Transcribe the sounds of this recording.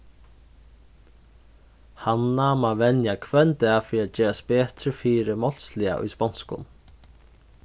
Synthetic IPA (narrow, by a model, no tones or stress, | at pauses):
hanːamavɛnjakʰvɛnt̪ɛafɛɾat̪t͡ʃɛːɾaspɛːt̪ɾɪfiːɾɪmɔl̥slɪa̰ʔṵjspɔnskʊ̰n